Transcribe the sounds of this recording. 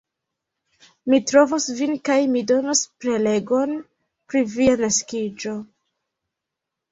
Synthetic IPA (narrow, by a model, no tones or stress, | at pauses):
mitɾo̞vosvinkajmido̞nospɾe̞le̞ɡo̞n | pɾivianaskid͡ʒo̞